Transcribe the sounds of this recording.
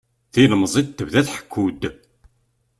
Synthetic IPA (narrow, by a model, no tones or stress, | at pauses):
θinəmːzˤid̪̚t̪ːəvðæθħə̥kʰːud̪